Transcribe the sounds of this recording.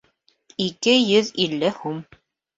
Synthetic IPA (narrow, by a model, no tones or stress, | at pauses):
ikɘjɵðilːɘhum